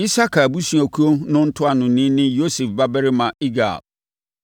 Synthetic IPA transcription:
i˦sa˦kʰa˨bu˦si˨a˨kʰu˦o˦nʊ̃˦n̩˦tʰʊ˦a˨nʊ̃˨nĩ˦nɪ̃˦jo˦se˨fba˦bɛ˦ɾɪ˦mã˨i˦ɡa̰˨b̚

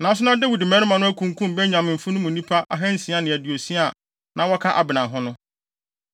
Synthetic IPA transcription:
nã˨˦s̬ʊ˦nã˦dæ˦wi˨dɪ˨mɛ̃˦nʊ̃˦mã˨nʊ̃˦æ˦kʰũ˨ŋ˨kʰũ˦m˨bɛ˦ɲã˨m̩̃˨fũ˦nʊ̃˦mũ˨nĩ˦pʰa˦ʔa˦ɦɛ̃˦n̩˦˨sĩ˨˦a˦nɪ̃˨æ˨di˨o˨si˦a˨ | nʔã˨wɔ˦kʰa˦ʔa̰˨bɪ˨nã˨ɦʊ̃˦nʊ̃˦

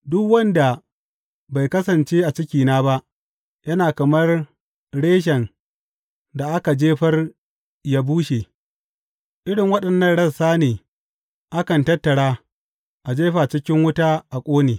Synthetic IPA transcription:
dʊ˦kwɐ˦nda˨ | ba˨jkɐ˦sɐ˨nt͡ʃeː˦ʔa˨t͡ʃɪ˦kʲiː˨naː˦ba˦ʔ | jɐ˦naː˨kɐ˨mɐ˦r | ɽeː˦ʃ̬ɐ˨n | da˨ʔa˦ka˨d͡ʒeː˦ɸɐ˦r | ja˦buː˦ʃeː˨ | ʔɪ˦ɽɪ˨ŋwɐ˦ɗɐ˨nːɐ˦nɽɐ˦saː˦neː˨ | ʔa˦kɐ˨ntɐ˦tːɐ˨ɽaː˦ | ʔa˨d͡ʒeː˦ɸaː˨t͡ʃɪ˦kʲɪ˦ŋwʊ˦taː˦ʔa˨kʷʼoː˦neː˨

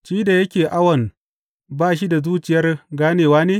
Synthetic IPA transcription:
ʃiː˦da˨jɐ˦kʲeː˨ʔa˦wɐ˨n | baː˦ʃ̬i˦da˨zuː˦t͡ʃɪ˨jɐ˦rɡaː˦neː˨waː˦neː˦

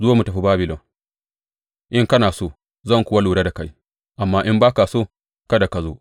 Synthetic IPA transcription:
zʊ˦a˦mːu˨tɐ˨ɸi˦baː˦bɪ˨lɔ˨ŋ | ʔɪ˦ŋkɐ˦naː˨soː˦ | zɐ˦˨ŋkʷʊ˦wa˦luː˨ɽa˦da˨ka˦j | ʔa˨mːaː˦ʔɪ˦mbaː˦ka˨soː˦ | kɐ˦da˨ka˨zo̰ː˦

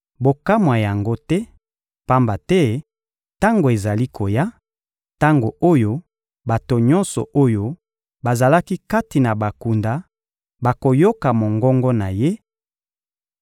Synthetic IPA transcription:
bo˨ka˦mwa˨ja˨ŋɡo˦tɛ˦ | pa˦mba˨tɛ˦ | ta˦ŋɡo˨e˨za˨li˦kʰo˨ja˦ | ta˦ŋɡo˨o˦jo˦ | ba˨to˨ɲɔ˦nsɔ̰˨ʔo˦jo˦ | ba˨za˨la˦ki˦ka˦ti˨na˨ba˨ku˨nda˨ | ba˨ko˨jo˦ka˨mo˨ŋɡɔ˦ŋɡɔ˦na˨je˦

